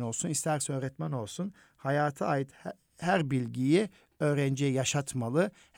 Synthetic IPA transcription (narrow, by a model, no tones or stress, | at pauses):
no̞lˠsunist̪ʰæɾsø̞ːɾɛt̪mæno̞lˠsun | hajaːt̪ʰɯajɯt̪ | hæɾbilʲɟiji | ø̞ːɾænd͡ʒɛjaʃat̪malˠɯ | h